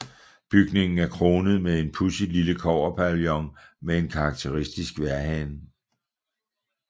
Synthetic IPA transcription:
b̥yɡ̥ne̝ŋn̩æɐkʰʁo̝ːnəð̞̩ˠmee̝npʰusi̥liləkʰɒʊɐpʰæljɒ̽ŋmee̝nkʰɑ̈ːɡ̥̚t͡sʰe̝ʁisd̥isɡ̥ʋæɐɦæn

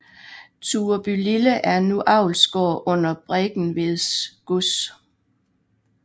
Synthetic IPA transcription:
t͡sʰuːɐb̥yliləʔæɐnuʔɑ̈ʊlsɡ̥ɒ̰ːʔɔ̽n̰ɐb̥ʁeɡ̥n̩ʋe̝ðˠsɡ̥us

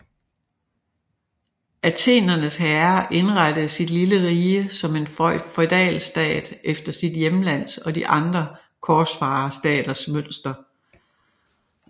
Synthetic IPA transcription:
æt͡sʰe̝̰ːnɐnəshæɐʔe̝nʁɑd̥əð̞̩ˠsid̥liləʁiːəsɒ̽me̝nffɒd̥ɛ̰ːlsd̥ɛ̰ːd̥ʔefd̥ɐsid̥jemlæn̰sɒ̽d̥iʔɑ̈nd̥ʁɐ | kʰɒːsfɑ̈ːsd̥ɛ̰ːd̥ɐsmøn̰sd̥ɐ

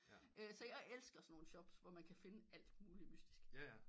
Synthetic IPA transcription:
ʔøsɒ̽jɑ̈ɪʔelsɡ̥ɐsɒnːo̝ːn̩ɕɒ̽b̥sʋɒmænkʰæfe̝nəæl̰d̥muːlimysd̥isɡ̥

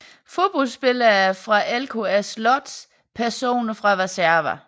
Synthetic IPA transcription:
fo̝b̥ɒlsb̥e̝lɐɐfʁɑ̈ʔelkʰo̝æslɒd̥s | pʰæɐso̝̰ːnɐfʁɑ̈ʁɛsæɐʋɐ

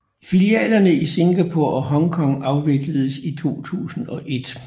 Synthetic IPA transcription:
filiɛ̰ːlɐnəise̝ŋɡ̥æpʰo̝ɐ̰ʔɒ̽ɦɒ̽ŋkʰɒ̽ŋɑ̈ʊʋe̝ɡ̥ləð̞̩ˠəsit͡sʰo̝̰ːt͡sʰṵːsn̩ɒ̽ʔe̝d̥

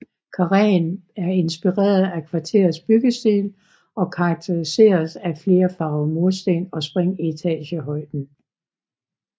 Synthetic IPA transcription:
kʰɑ̈ʁɛnæɐe̝nsb̥iʁɛ̰ːɐð̩ˠækʰʋɑ̈t͡sʰe̝ːɐð̩ˠsb̥yɡ̥əsd̥ḭːl | ɒ̽kʰɑ̈ɑɡ̥̚t͡sʰeʁise̝̰ːɐsæfle̝ːɐfɑ̈ʊmo̝lˠsd̥ḛːnɒ̽sb̥ʁeŋ̰it͡sʰɛ̰ːɕəɦɒ̽ɪ̰d̥n̩

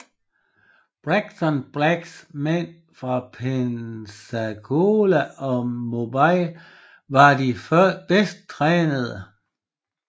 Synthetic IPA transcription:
b̥ʁaɡ̥t͡sʰɒnb̥ʁæɡ̥smen̰ | fʁɑ̈pʰensæɡ̥ʰolæɒ̽mo̝bɑɪ̰ | ʋɑ̈d̥ifɶɐd̥esd̥̚t͡sʰʁɛːnəðˠə

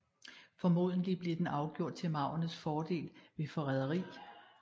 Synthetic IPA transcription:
fɒ̽mo̝̰ð̞̰ˠn̩lib̥le̝d̥enɑ̈ʊɡ̥jo̝ɐ̰d̥̚t͡sʰe̝lmɑ̈ʊ̰ɐnəsfɒːd̥e̝̰ːlʋe̝fɒ̽ʁɛð̞ˠɐʁḭː

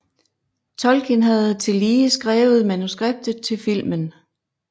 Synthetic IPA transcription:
t͡sʰɒ̽lkʰenɦæðˠt͡sʰe̝liːəsɡ̥ʁɛːʊð̞̩ˠmænusɡ̥ʁeb̥̚d̥ð̩ˠt͡sʰe̝lfil̰mən

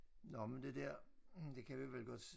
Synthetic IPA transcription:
nɒmend̥e̝d̥ɛɐ̰d̥e̝kʰæʋiʋelɡ̥ɒ̽d̥

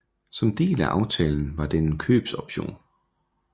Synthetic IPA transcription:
sɒ̽md̥e̝̰ːlæʔɑ̈ʊt͡sʰɛːln̩ʋɑ̈d̥eenkʰø̰ːb̥sɒb̥ɕo̝̰ːn

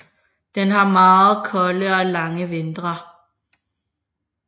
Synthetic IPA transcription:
d̥enɦɑ̈mɑːð̩ˠkʰɒ̽ləɒ̽lɑ̈ŋəʋe̝nd̥ʁɐ

